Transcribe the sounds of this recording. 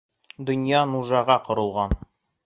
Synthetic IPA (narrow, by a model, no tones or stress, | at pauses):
d̪ɵ̆njɑnuʒɑʁɑqŏɾɤ̆lˠʁɑn